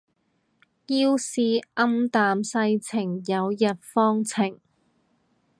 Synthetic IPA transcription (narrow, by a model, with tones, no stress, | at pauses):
jiː˥wsiː˨˧ʔɐ˥mt̪aː˨msɐ˧jt͡sʰɪ˨˩ŋjɐ˨˧wjɐ˨t̚fɔː˥ŋt͡sʰɪ˨˩ŋ